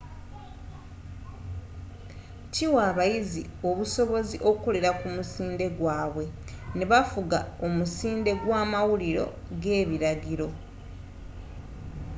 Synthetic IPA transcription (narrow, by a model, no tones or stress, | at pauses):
ciwaːβajizio̞βuso̞βo̞ziʔo̞koleɾakumusiːnde̞ɡwaːβwe̞ | neβafuɡao̞musiːnde̞ɡwaːmawuliɾo̞̰ | ɡe̞ːβiɾaɟiɾo̞